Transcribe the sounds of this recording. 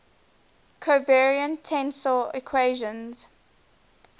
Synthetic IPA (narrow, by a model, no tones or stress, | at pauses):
kʰəvɛɹiə̃ntʰɛ̃nsɔikʰweːʒə̃nz̥